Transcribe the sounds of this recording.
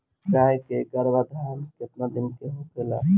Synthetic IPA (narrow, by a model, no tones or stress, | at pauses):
t͡ʃajkeɡəɾbad̪ʱaɾnkeəp̪nad̪inkeɦokela̰